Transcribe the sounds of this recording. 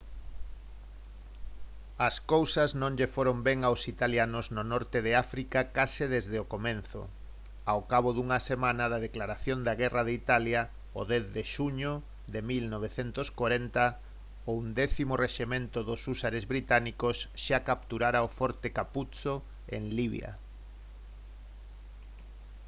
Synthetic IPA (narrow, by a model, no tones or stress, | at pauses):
ɐskowsɐznõŋʎefoɾombɛŋawsit̪aljanʊznonɔɾt̪eðeafɾikakasɪðezðeokomenθʊ̰ | awkaβ̞oðuŋɐsemãnɐðɐðeklaɾaθjond̪aɣɛrɐðeit̪aljɐ | o̰ðɛθðeʃuɲo | d̪emilnɔβ̞eθent̪ʊskoɾɛnt̪ɐ | ound̪ɛθimoreʃimẽnt̪ʊðʊsusaɾezβɾit̪anikosʃakap̚t̪uɾaɾaofɔɾt̪ekaput͡so | ḛŋliβj̰a̰